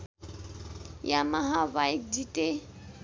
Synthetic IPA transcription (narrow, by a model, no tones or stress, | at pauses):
jamahaβaik̚ditʼe